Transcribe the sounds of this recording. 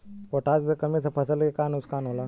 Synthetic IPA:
poʈad͡zəkəmit͡sʰəpʰəsəlekanuskanola

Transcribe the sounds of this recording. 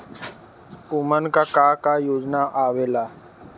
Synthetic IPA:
umənkakakajoːd͡ʒnaʔaʋeːla

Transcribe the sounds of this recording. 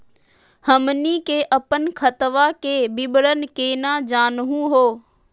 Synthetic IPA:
həmnikeːʔɐpənkʰət̪ʋakeːbɪɓɽənɪ̆keːnaːd͡ʒaːnɦũɦoː

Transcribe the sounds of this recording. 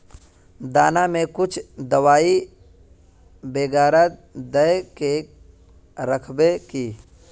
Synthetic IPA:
d̪aːnamẽkʊt͡ʃʰd̪əwaːi | beːɡaːɾad̪əjke | ɾəkʰbekiː

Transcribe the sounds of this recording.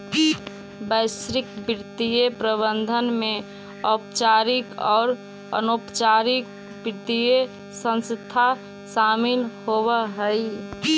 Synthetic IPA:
bəɪsɾɪkbɪɾt̪ijepɾəβənd̪ʱənmẽ | ɔpt͡ʃaɾikɔːɾ | ə̰nopt͡ʃaɾik̚ | bɪɾt̪ije | sə̃nst̪ʰa | samɪlhoβəɦəj

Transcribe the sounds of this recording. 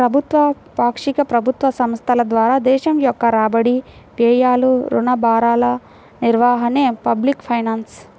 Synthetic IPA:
pɾɐbʱut̪ʋɐ | paːkʂikɐpɾɐbʱut̪ʋɐsɐmst̪ʰɐlɐd̪ʋaːɾaːd̪ɛːʃɐmjɔkːɐɾaːbɐɽi | pɛːjaːluɾṵnɐbaːɾaːlɐ | niɾʋaːɦɐneːpɐblikpʰɐjnaːns

